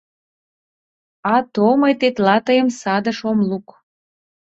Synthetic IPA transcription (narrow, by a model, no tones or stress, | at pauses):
ɑt̪omɤjt̪et̪lɑt̪əjəmsɑd̪əʃomluk